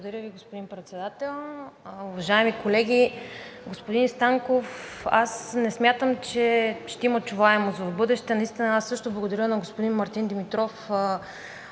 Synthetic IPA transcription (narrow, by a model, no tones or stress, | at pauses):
bˠod̪ɐɾʲəviɡospod̪impɾɛt̪sɛd̪at̪ɛlˠʊvɐʒaɛmikolɛɡʲiɡospod̪inst̪aŋkofasnɛsmʲjat̪əmt͡ʃɛʃt̪ɛimət͡ʃuvaɛmozɐbɤd̪ɛʃt̪ɛnɐist̪inɐasːɤʃt̪oblˠəɡod̪ɐɾʲənɐɡospod̪inmɐɾt̪ind̪ɛmit̪ɾɔfə